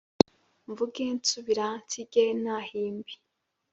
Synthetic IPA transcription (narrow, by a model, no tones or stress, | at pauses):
ɱvuɡensuβiɾatiɡenahiːmbi̥